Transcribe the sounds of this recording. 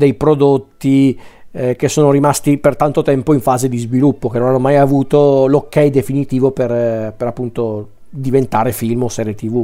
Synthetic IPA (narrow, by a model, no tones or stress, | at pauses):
d̪ejpɾod̪ot̪ːi | k̟esːoːnoɾimast̪ipert̪ant̪ot̪ɛmpoiɱfaːzed̪izvilupːokenonanːomajavuːt̪olokːɛjd̪efinit̪iːvoperpeɾapːunt̪o | d̪ivent̪aːɾefilmosɛːɾjet̪ivu